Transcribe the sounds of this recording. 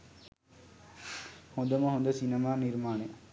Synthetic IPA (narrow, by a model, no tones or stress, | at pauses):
mɔd̪ɐmãːʋɐnd̪ɐsɪnɐmaːnɪɾmaːne